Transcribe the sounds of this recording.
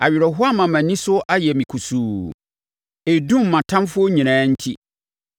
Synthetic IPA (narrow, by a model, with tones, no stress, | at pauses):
a̰˨ɥɪ˨ɾɔ˨ɦʊ˦a˦mã˨mæ̃˨nĩ˦sʊ˦ʔa˦jɛ˨mĩ˨kʰu˨suː˨ | e˨dũ˦mː˨ã˨tʰã˦mfʊ˦o˦ɲĩ˨nãː˨˦n̩˦tʰi˦